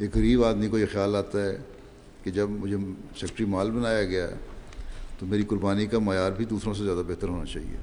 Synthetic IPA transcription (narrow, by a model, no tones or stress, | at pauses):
eːkɣɐɾiːbaːd̪mikojexjaːlaːt̪aɦɛ | ked͡ʒɐbmʊd͡ʒʱesɛkʈɾimaːlbɐnaːjaɡɐjaɛ̰ | t̪omeːɾikʊɾbaːnikamaːjaːɾbʱid̪uːsɾõs̬ezjaːd̪abeɦt̪əɾɦoːnat͡ʃaːɦḭḛː